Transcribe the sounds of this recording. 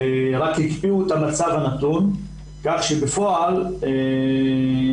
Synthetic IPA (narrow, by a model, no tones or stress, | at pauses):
eʁakhikpiuet̪amat͡savhanat̪un | kaχʃebefo̞ale